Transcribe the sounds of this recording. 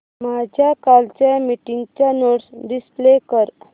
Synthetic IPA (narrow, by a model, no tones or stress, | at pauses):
mad͡ʑʱjakalt͡ɕamiʈiŋɡt͡ɕjanoɽsɖisplekəɾ